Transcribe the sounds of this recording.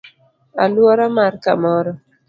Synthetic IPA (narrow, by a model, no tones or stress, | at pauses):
a̰lwɔɾamarkamɔɾɔ